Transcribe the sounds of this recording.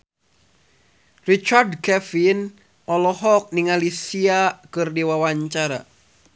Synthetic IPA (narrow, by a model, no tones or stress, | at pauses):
rit͡ʃardkɛfin | ɔlɔɦɔk̚niŋalisiakɨrdiwawaɲt͡ʃaɾa̰